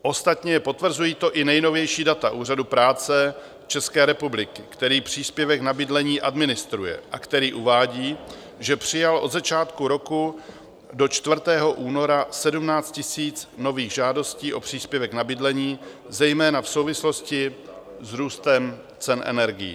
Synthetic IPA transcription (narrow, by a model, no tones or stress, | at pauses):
ʔo̞st̪at̪ɲɛpo̞t̪vr̩zujiːt̪o̞ʔɪnɛjno̞vjɛjʃiːdat̪aʔuːr̝adupɾaːt͡sɛ | t͡ʃɛskɛːɾɛpublɪkɪkt̪ɛɾiːpr̝̥iːspjɛvɛknabɪdlɛɲiːʔadmɪnɪst̪ɾujɛ̰ʔakt̪ɛɾiːʔuvaːɟiː | ʒɛpr̝̥ɪjalʔo̞d̪zat͡ʃaːt̪kuɾo̞ku | do̞t͡ʃt̪vr̩t̪ɛːɦo̞ʔuːno̞ɾasɛdumnaːt͡st̪̚cɪsiːt͡sno̞viːɣʒaːdo̞sciːʔo̞pr̝̥iːspjɛvɛknabɪdlɛɲiːzɛjmɛːnafso̞wvɪslo̞scɪ | zɾuːst̪ɛm | t͡sɛnʔɛ̰nɛɾɡɪjḭ